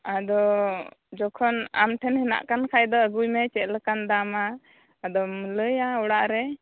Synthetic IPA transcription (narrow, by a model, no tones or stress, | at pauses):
ad̪ɔ | d͡ʒɔkʰɔna̰mʈʰɛnhɛna̰ʔkankʰajd̪ɔəɡujmɛt͡ʃɛt̪̚ləkand̪amaː | d̪ɔmələjaɔɽaʔɾɛ